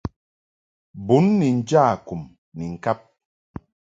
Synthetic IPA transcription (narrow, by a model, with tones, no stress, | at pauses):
bu˨˦nːi˨n̩˦d͡ʒa˦˨ku˨m | ni˨ŋ̩˨ka˦p̚